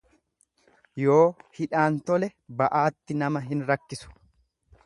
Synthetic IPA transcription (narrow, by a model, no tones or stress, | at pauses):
jo̞ːhɪᶑaːnt̪ɔlɛbɐʔaːt̪ːɪnɐmɐɦɪnɾɐkːɪsʊ̥